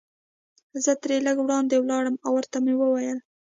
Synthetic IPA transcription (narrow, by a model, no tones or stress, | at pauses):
zət̪ɾeləɡwɽɑnd̪ewlɑɽəmawəɾt̪amewəwajəl